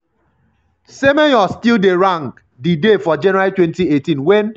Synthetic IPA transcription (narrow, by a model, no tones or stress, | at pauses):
semejɔstildeɾaŋk | didefɔd͡ʒɛnɔaɾitwentietĩnwen